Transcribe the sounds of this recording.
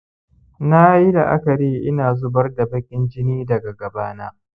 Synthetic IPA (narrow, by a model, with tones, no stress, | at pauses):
na˦ji˦da˨ʔa̰˦kɐ˨ɽiː˦ʔɪ˦naː˨zʊ˦bɐ˦rda˨bɐ˦kʲʼɪ˦nd͡ʒɪ˦niː˦dɐ˨ɡa˨ɡɐ˨baː˦na̰ː˦